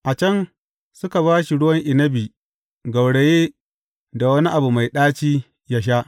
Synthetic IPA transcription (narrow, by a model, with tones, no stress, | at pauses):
ʔa˨t͡ʃɐ˦n | sʊ˦ka˨βaː˦ʃi˨ɽʊ˦wɐ˦ŋʔɪ˨nɐ˦bi˨ | ɡɐ˨wɽe˨jeː˦ | da˨wɐ˦ni˦ʔa˨bu˨ma˨jɗaː˦t͡ʃiː˦ | ja˦ʃ̬a˦ʔ